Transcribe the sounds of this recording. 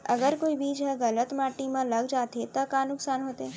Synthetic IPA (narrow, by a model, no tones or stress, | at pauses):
əɡəɾkoːibiːd͡ʒɦɛɣələt̪maːʈimãləɡd͡ʒaːt̪et̪əkaːnʊksaːnɦoːt̪eː